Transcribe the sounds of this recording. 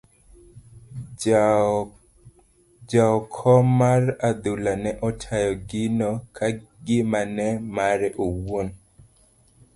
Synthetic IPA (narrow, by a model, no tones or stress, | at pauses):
d͡ʒaɔkʰɔmarad̪ulanɛʔɔtʰajɔɡɪnɔkʰaɡɪmanɛmaɾɛʔowon